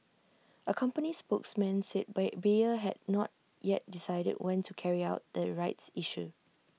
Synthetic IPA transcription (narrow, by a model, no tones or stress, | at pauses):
ʔəkʰãmpənispoksmɛ̃nsɛt̚bbiəɦɛdnɔt̚ | jɛt̚disaɪdə̰d̚wʔɛ̃ntʰukʰɛɹiaʊt̚d̪əɹaɪtsiʃu